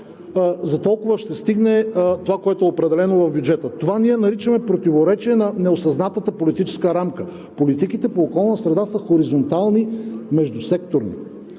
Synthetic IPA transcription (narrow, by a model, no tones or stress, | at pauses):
zɐt̪ɔlˠkʊvəʃt̪ɛst̪iɡnɛt̪ovakoɛt̪ʊɛopɾɛd̪ɛlɛnovɐvbʲjud͡ʒɛt̪ət̪ovaniɛnɐɾit͡ʃəmɛpɾot̪ivoɾɛt͡ʃiɛnɐnɛosɐznat̪ət̪əpolit̪it͡ʃɛ̥skəɾamkə | polit̪ikit̪ɛpoːkɔlˠnəsɾɛd̪asəxoɾizont̪alˠnimɛʒd̪usɛk̚t̪oɾnḭ